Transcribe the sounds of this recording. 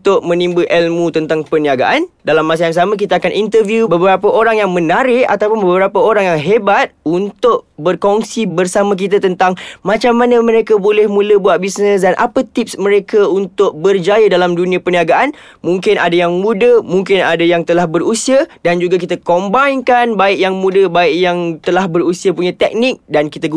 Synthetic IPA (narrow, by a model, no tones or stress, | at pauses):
t̪ʊʔ̚mə̃nĩmbuʔɛlmũt̪ənt̪aŋpəniaɡa̰ʔandalamːas̬ajaŋs̬amãk̬it̪aakanʔint̪ərvjubəbəɾapəʔoɾaŋjaŋmə̃naɾɪʔa̰t̪awpʊnbəəbbəɾapəoɾaŋjaŋɦebat̪̚unt̪ʊʔbərkɔŋsibərsamãk̬it̪at̪ənt̪aŋmãt͡ʃamːanəmə̃ɾekabolɛhmũləbuat̪̚bisnə̃sdanʔa̰pət̪ip̚smə̃ɾekaunt̪ʊʔ̚bərd͡ʒajadalamdunĩapəniaɡaʔan | mũŋkɪnʔa̰dajaŋmudəmuŋkɪna̰dajaŋt̪əlahbərusiadand͡ʒuɡak̬it̪akɔmbainkanbaɪʔjaŋmũdəbaɪʔ̚jaŋt̪əlahbərusiapuɲat̪ɛk̚nɪk̚dankit̪aɡu